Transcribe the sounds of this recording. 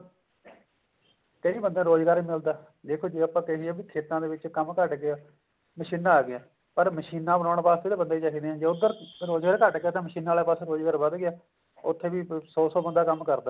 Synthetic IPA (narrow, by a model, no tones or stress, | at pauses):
k̪eiːbənd̪ãːɾoːd͡ʒɡaːɾiːmɪld̪aː | d̪eːkʰoːd͡ʒeːaːpãːk̪eɦiːɛːbiːt̪ʰeːt̪ãːd̪eːʋɪt͡ʃkəmkəʈɡeaː | məʃiːnːãːaːɡɪaː | pəɾməʃiːnãːbənãːɳ̃ːpaːst̪eːd̪eːbənd̪aːit͡ʃakiːd̪eːɦɛ̃ːd͡ʒeːʊd̪əɾɾoːd͡ʒɡaːɾkəʈɡeaːt̪ãːməʃiːnaːleːpaːsɾoːd͡ʒɡaːɾbəd̪ɡɪaː | ʊ̰t̪ʰːeːʋiːsɔːsɔːbənd̪aːkəmkəɾd̪aː